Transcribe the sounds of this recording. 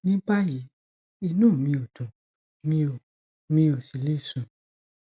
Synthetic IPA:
nĩ˦k͡pa˦ji˨˦ | i˧nũ˦˨mĩ˧o˨dũ˨ | mĩ˦o˨ | mĩ˧˦o˨si˨le˦˨sũ˨

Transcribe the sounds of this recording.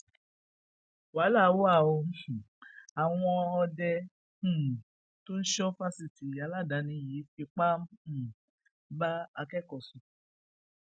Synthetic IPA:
wa˨˦la˦˨˦wo˦a˦˨o˧˨ | a˨w̃ɔ̃˧ɔ˧dɛ̃˧˦˨ | to˦n̩˦ʃɔ˦fa˦si˨ti˨ja˨˦la˦˨da˨˦nĩ˧˦ji˨˦fi˧k͡pa˦m̩˦˨ | ba˦a˧kɛ˦˨kɔ˨su˨

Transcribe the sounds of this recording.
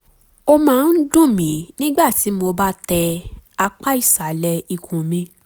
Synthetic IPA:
o˧mãː˦˧n̩˦dũ˦˨mĩ˨˦nĩ˦ɡ͡ba˦˨ti˨˦mo˧ba˦tɛ˧a˧k͡pa˦i˦˨sa˨˦lɛ˧i˧kʰũ˨mĩ˧

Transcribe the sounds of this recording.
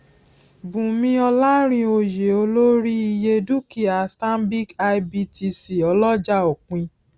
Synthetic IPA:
bũ˨mĩ˧˦ɔ˧la˦ɾ̃ĩ˧o˧je˨o˧˦lo˦ɾi˦i˧je˧du˦ki˨a˨sta˦m˦bi˦ka˧i˧bi˧tʰi˧si˨ɔ˧lɔ˦d͡ʒa˦o˨k͡pĩ˧

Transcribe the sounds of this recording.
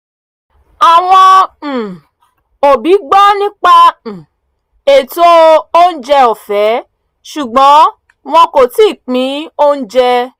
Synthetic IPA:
a˨w̃ɔ̃˧˨ | o˨bi˨˦ɡ͡bɔ˦nĩ˦k͡pa˦˨ | e˨to˦o˦n̩˦d͡ʒɛ˧o˨fɛ˨˦ | ʃu˨ɡ͡bɔ̃˨˦ | w̃ɔ̃˧ko˨ti˦˨k͡pĩ˨˦o˦n̩˦d͡ʒɛ˧

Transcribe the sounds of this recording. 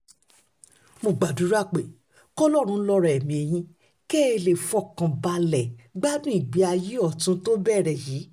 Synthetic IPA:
mo˧˨ɡ͡ba˨du˨˦ɾa˦˨k͡pe˨ | kɔ˦lɔ˦˨ɾ̃ũ˧˦lɔ˧ɾɛ˨ɛ˨mĩ˨e˧j̃ĩ˧˦ | ke˦e˦˧˨le˨fɔ˦˨kã˨ba˧lɛ˨ɡ͡ba˦dũ˦ĩ˦˨ɡ͡bi˨˦a˧ji˦ɔ˦˨tũ˨˦to˦bɛ˦˨ɾɛ˨jiː˨˦

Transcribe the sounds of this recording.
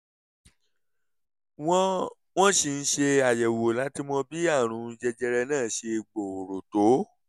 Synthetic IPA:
w̃ɔ̃˧ | w̃ɔ̃˦ʃi˧n̩˦ʃe˧a˨jɛ˨wo˨la˨˦ti˦mɔ̃˧bi˦a˦˨ɾ̃ũ˨˧˦n̩˧˦d͡ʒɛ˧d͡ʒɛ˧ɾɛ˧nãː˦˨ʃe˧˨ɡ͡bo˨o˨ɾo˨to˨˦

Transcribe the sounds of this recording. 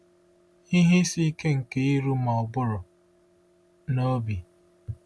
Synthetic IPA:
i˦ɦi˦si˦ke˦ŋ̩˨ke˦i˦ɾu˦ma˨ɔ˨bʊ˦ɾʊ˨ | no˦bi˨

